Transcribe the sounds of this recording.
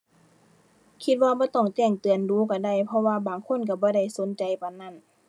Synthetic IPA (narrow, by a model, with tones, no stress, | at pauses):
kʰi˧t̪̚waː˧bɔː˧˦t̪ɔ˧˩ŋt͡ɕɛː˧˩ŋt̪ɯ˨˩ənduː˨˦ka˧˩da˧˩jpʰɔ˧waː˧baː˨ŋkʰo˧˥˨nka˧˩bɔː˧˦da˧˩jso˨˦nt͡ɕa˨˦jpa˨˧˩nːa˧˥˩n